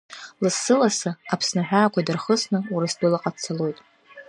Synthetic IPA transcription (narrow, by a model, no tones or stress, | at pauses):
lɨsːɨlasaapʰsnaħᶣʷaːkʷʰadɨrχəsnɨuɾɨsdɨlaqʼat͡sʰalo̞jtʼ